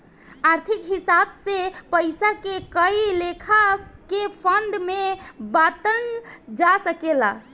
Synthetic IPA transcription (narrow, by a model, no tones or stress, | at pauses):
aɾt̪ʰikɦisabsepəjsakekəilekʰakepʰənd̪mebat̪ənd͡ʒasəkela̰